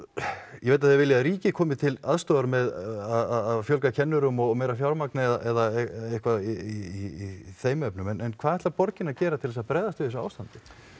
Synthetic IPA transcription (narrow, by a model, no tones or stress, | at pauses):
jɛvejt̪aθjɛɾvɪljaaðɾiːcɪkʰɔːmɪt̪ʰɪlaðst̪oːðaɾmɛðaðaðaðfjœlk̬acʰɛnːʏɾʏmɔmeːjɾafjawɾmaknɪɛðaʔɛðaehkvaiiiiθeːjmœpnʏmɛnɛnkʰv̥aːðɛht̪lapɔɾcɪnacɛːɾat̪ʰɪlðɛsapɾɛːðast̪ʏːðsaaːwst̪ant̪ɪ̥